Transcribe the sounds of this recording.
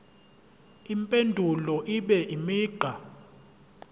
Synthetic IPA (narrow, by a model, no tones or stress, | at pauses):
impʼendʱulɔʔiɓɛʔimiːɡ͡ǃʱa